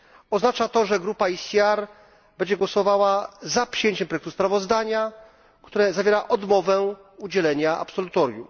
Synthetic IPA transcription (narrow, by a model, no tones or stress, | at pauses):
ɔznat͡ʂat̪ɔʐɛɡɾupaisʲiaɾ | bɛɲd͡ʑɛɡwɔsɔvawazapʂɨjeɲt͡ɕɛmpɾɔjɛk̚t̪uspɾavɔzd̪aɲa | kt̪uɾɛzavʲjeɾaʔɔd̪mɔvɛ | ud͡ʑɛlɛɲaʔa̰psɔlut̪ɔɾʲjṵm